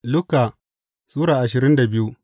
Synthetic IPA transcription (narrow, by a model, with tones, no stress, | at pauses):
lʊ˦kaː˨ | suː˦ɽaː˨ʔa˨ʃɪ˨ɾɪ˦nda˨bɪ˦ju˦